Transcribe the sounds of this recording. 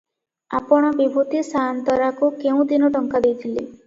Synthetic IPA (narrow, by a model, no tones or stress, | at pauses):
a̰pɔɽ̃ɔbibʱut̪isant̪ɔɾakukeũd̪inɔʈɔŋkad̪ejt̪ʰili